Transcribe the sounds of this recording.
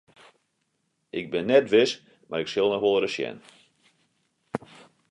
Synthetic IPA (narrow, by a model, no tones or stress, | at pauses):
ɪɡ̚bɪnːɛtʋɪs | maɾɪksɪlˠnɔxʋolˠrəsjɛ̰n